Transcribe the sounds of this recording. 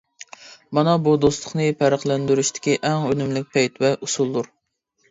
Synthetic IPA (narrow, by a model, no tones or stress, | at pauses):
mɑnɑbud̪ost̪ˠʊχnɨpʰæɾəχlˠɛnd̪yɾyʃt̪ʰɪ̥kʲiʔɛŋønymlɪk̚ʲpʰɛjt̪ʰvɛʔusulˠd̪uɾ